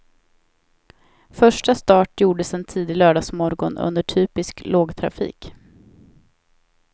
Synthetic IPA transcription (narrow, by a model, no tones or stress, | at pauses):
fœʂʈast̪ɑːʈjuːɖəsɛnt̪ʰiːd̪ɪlœːɖɑːsmɔɾɡɔ̰nʔɵ̰nd̪əʈʰyːpɪskloːɡt̪ʰɾa̰fḭːk